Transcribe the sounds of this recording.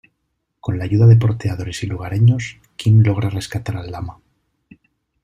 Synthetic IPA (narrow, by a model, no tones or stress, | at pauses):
ko̞nlaːʝuðaðe̞po̞ɾt̪eaðo̞ɾe̞siluɣ̞aɾeɲo̞s | kinlo̞ɣ̞ɾare̞skat̪aɾalːama